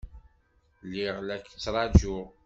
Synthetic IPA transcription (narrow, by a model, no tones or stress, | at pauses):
liʁlækːt͡sːɾˤɑd͡ʒʊ